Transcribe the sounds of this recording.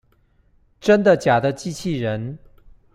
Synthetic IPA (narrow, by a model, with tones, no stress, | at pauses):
ʈ͡ʂə˥nd̪ə˨t͡ɕja˨˩d̪ə˦t͡ɕi˥t͡ɕʰi˥˩ɻə˧˥n